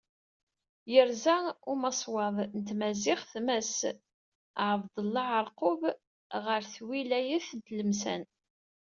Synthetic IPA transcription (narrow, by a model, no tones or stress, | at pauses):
jəɾzæʊmɑsˤwɑðˤnət̪mæzɪχθmæs | ʕəvd̪ˤəlːɑʕəɾˤqob | ʁəɾθwilæjiθd̪ləmsæ̰n